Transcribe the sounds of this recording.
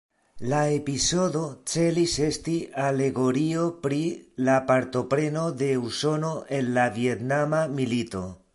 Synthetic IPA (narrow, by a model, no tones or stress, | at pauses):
laepiso̞do̞t͡se̞lise̞stiale̞ɡo̞ɾio̞pɾilapaɾto̞pɾe̞node̞uso̞no̞ʔe̞nlavie̞tnamamilito̞